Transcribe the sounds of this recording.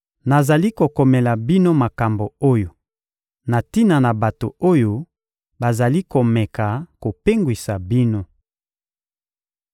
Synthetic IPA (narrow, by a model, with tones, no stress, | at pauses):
na˨za˨li˦ko˨kɔ˨mɛ˨la˨bi˦no˦ma˨ka˨mbo˨o˦jo˨ | na˨ti˦na˨na˨ba˨to˨o˦jo˦ | ba˨za˨li˦ko˨mɛ˨ka˨ko˨pe˦ŋɡwi˨sa˨bi˦no˦